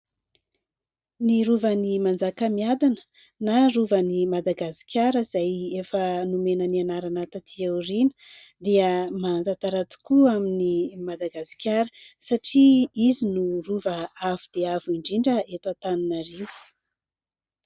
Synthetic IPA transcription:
niɾuvənimand͡zakəmiad̪anə̥ | naruvənimad̪aɡasi̥kʲaɾəiz̥ajefənumenənianaɾanat̪at̪ʰiarinə̥ | d̪iəmant̪at̪aɾat̪u̥kuaminimad̪aɡasi̥kʲaɾə | saʈ͡ʂiizinuruvəavud̪̥eavuiɳɖ͡ʐiɳɖ͡ʐəet̪at̪anunariw̥

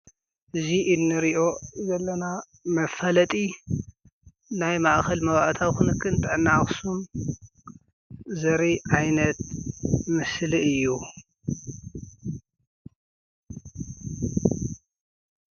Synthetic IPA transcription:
ʔɨziʔɨnːɨɾiʔo̞zɐlːɐna | mɐfɐlɐt̪ʼi | najmaʔkɐlmɐβaʔt̪ʰawkunɨkʰːɨnt̪ʼɨʕnːaxsum | zɐɾiʕajnɐt̪̚mɨsliɨjːu

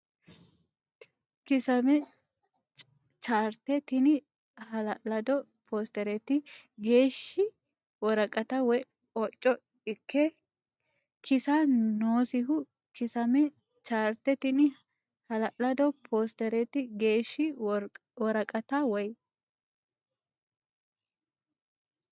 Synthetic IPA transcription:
kɪsɐmɛ | t͡ʃ | t͡ʃaːɾt̪ɛt̪ɪnɪ | hɐlɐlɐd̪ɔ | pʰoːst̪ɛɾɛt̪ɪɡe̞ːʃːɪ | wɔɾɐkʼɐt̪ɐwɔj | ɔt͡ʃʼːɔ | ɪkːɛ | kʰɪsɐnoːsɪɦʊ | kɪsɐmɛ | t͡ʃaːɾt̪ɛt̪ɪnɪ | hɐlɐʔlɐd̪ɔpʰoːst̪ɛɾɛt̪ɪɡe̞ːʃːɪ | wɔɾɐkʼɐt̪ɐwɔj

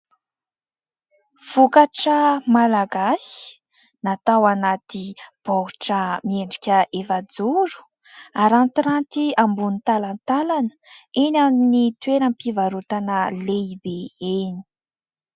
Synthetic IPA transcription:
v̥ukaʈ͡ʂəmalaɡasi̥ | nat̪awanat̪ib̥oɦuʈ͡ʂəmieɳɖ͡ʐikʲəʔefad͡zuɾu̥ | aɾant̪iɾant̪iambunit̪alant̪alanə̥enamnit̪weɾəmpivaɾut̪anəleibeeni̥

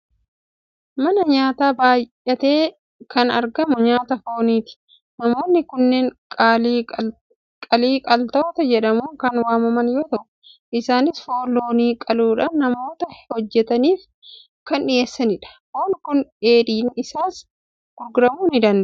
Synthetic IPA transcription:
mɐnɐɲaːt̪aːbaːjʔːɐt̪e̞ː | kɐnɐɾɡɐmʊɲaːt̪ɐfo̞ːniːt̪ɪ̥ | nɐmo̞ːnːɪkʊnːeːŋkʼː | kʼɐliːkʼɐlt̪oːt̪ɐd͡ʒɛᶑɐmuːŋkɐnwaːmɐmɐnjo̞ːt̪ɐʔʊ | ʔɪsaːnɪsfo̞ːlːo̞ːniːkʼɐluːᶑaːnnːɐmo̞ːt̪ɐhɔd͡ʒːɛt̪ɐniːf | kɐnᶑɪjeːsːɐnɪᶑɐ̥hoːnkʊne̞ːᶑiːnɪsaːs | ɡ̥ʊɾɡʊɾɐmuːnɪd̪ɐnd̪ɐʔ

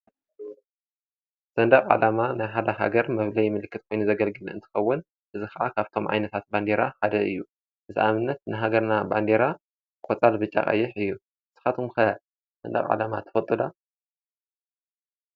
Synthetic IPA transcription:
z̥ɐnd̪akʼʕa̰lamanajħad̪aɦa̰ɡɐɾmɐβlɐjmɨlɨkʰːɨt̪̚kʰo̞jnuzɐɡɐlɡɨlʔɨ̰nt̪ʰɨ̥xɐwːʊn | ʔɨzɨxaʔakʰaβt̪ʰo̞mʕa̰jnɐt̪ʰat̪̚band̪eɾaħad̪ɐɨ̰jːu | ʔɨziʔamɨnːɐt̪̚nɨɦaɡɐɾnaband̪eɾa | kʼot͡sʼalbɨt͡ʃʼːa̰χʼɐ̰jːɪħɨjːu | ɨzɨ̥xat̪ʰumxɐ | z̥ɐ̰nd̪a̰χʼʕa̰lama̰t̪ʰɨ̥fɐt̪ʼula

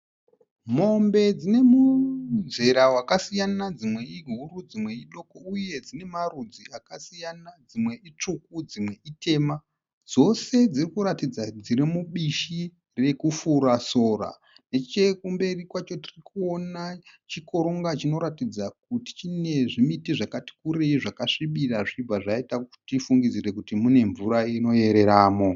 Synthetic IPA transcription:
mo̞mbe̞d͡zine̞muze̞ɾawakasijanad͡zimwe̞iɦuɾud͡zimwe̞iɗo̞kouje̞d͡zine̞marud͡ziakasijanad͡zimwe̞ʔit͡ʂuk̚ud͡zimwe̞itʰe̞ːma | d͡zo̞se̞d͡zirikuɾatid͡zad͡ziɾimuɓiʃi | re̞kufuɾaso̞ːra̰ | ne̞t͡ʃe̞kumbe̞rikwat͡ʃo̞tirikuo̞nat͡ʃiko̞ɾoŋɡat͡ʃino̞ɾatid͡zak̚uti̥t͡ʃine̞ʐimitiʐakati̥kuɾeiʐakaʂiɓiraʐib͡vaʐaitaktifuŋɡid͡ziɾe̞kutimune̞ɱvuɾaino̞je̞ɾe̞ɾaːmo̞

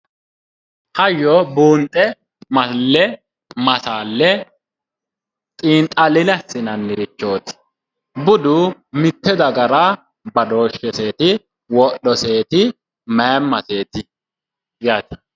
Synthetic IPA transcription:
hɐjːɔbuːnt̪ʼːɛ | mɐlːɛ | mɐsaːlːɛ | tʼiːnt̪ʼɐlɪnɛsːɪnɐnːɪɾɪt͡ʃːo̞ːt̪ɪ̥ | bʊd̪ʊmɪt̪ːɛd̪ɐɡɐɾa | bɐd̪o̞ːʃːɛse̞ːt̪ɪ | wɔʔɔse̞ːt̪ɪ | mɐjmːɐse̞ːt̪ɪ | jaːt̪ɪ̥

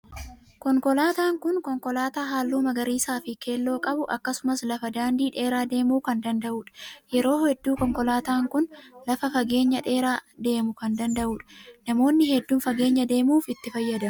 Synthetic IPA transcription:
kɔŋkɔlaːt̪aːŋkʊnkɔŋkɔlaːt̪aːɦaːlːuːmɐɡɐɾiːsaːfɪke̞ːlːo̞ːkʼɐbʊʔɐkːɐsʊmɐslɐfɐd̪aːnd̪iːᶑe̞ːɾaːd̪e̞ːmuːkɐnd̪ɐnd̪ɐʔuːᶑɐ̥jɛɾo̞ːhɛd̪ːuːkɔŋkɔlaːt̪aːŋkʊnlɐfɐfɐɡe̞ːɲːɐᶑe̞ːɾaːd̪e̞ːmʊkɐnd̪ɐnd̪ɐʔuːᶑnɐmo̞ːnːɪhɛd̪ːuːnfɐɡe̞ːɲːɐd̪e̞ːmuːfɪt̪ːɪfɐjːɐd̪ɐ

